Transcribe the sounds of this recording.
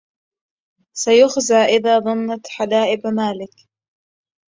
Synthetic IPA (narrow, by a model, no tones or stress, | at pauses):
sajʊxzaːʔɪðaːðˤɑnːat̪ħad̪aːʔɪbmaːlɪk